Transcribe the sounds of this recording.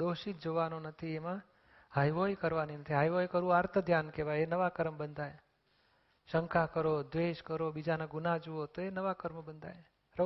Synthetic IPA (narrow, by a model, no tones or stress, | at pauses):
d̪oʃit̪̚d͡ʒoʋanonət̪ʰiemã | ɦajʋojkəɾʋaninət̪ʰiɦajʋojkəɾũaɾt̪ʰəd̪ʱjankeʋajenəʋakəɾəmbənd̪ʱaj | ʃəŋkʰakəɾod̪ʋeʃkəɾobid͡ʒanaɡunad͡ʒuot̪oenəʋakəɾməbənd̪ʱa̰j | ɾə